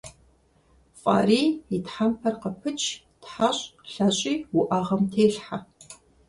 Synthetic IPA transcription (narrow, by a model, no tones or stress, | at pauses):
fʼa̰ːriːitħampʰɐrqəpʰɨt͡ʃʰ | tħaɕʼɬɐɕʼiːwʊʔaʁɐmtʰeːɬħa